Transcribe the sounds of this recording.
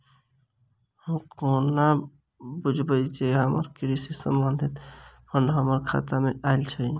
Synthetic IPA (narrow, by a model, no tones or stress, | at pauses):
həmkona | bud͡ʒʱbəit͡ʃeɦəmə̰ɾkɾisisə̰mbənd̪ʱit̪pʰəɾnɦəməɾkʰa̰t̪ameaɪlt͡ʃʰə